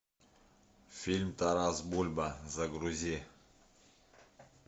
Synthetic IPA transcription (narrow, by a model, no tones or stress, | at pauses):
fʲilʲmt̪aɾazbulʲbazaɡɾuzʲi